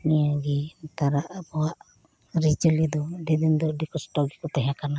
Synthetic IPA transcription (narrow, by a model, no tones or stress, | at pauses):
niaɡit̪aɾaʔabɔwaʔ | ɾid͡ʒəlid̪ɔdid̪ind̪ɔdikɔsʈɔɡikɔt̪aɦakana